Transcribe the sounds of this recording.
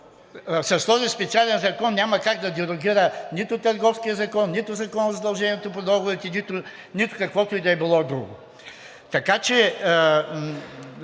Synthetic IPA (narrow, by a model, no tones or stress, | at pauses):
sɐst̪ɔzispɛt̪sialɛnzɐkɔnːʲamɐkaɡd̪ɐd̪ɛɾoɡʲiɾənit̪ʊt̪ɐɾɡɔfskijəzɐkɔnːit̪ʊzɐkɔnəzɐd̪ɐlˠʒɛnʲiɛt̪opod̪ɔɡovɛt̪ɛnit̪ʊ | nit̪ʊ̥kɐkvɔt̪ʊid̪ɐɛbilˠɔd̪ɾṵɡo | t̪ɐkat͡ʃɛ